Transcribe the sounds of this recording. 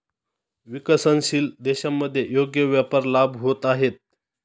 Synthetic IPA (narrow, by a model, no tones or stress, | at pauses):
ʋikəsənɕiːld̪eɕamːəd̪ʱːjejoɡjəʋjapəɾlabɦot̪aɦet̪̚